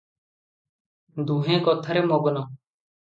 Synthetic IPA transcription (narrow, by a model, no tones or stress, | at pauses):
d̪uːɦẽːkoːt̪ʰəɾeːmoːɡnoː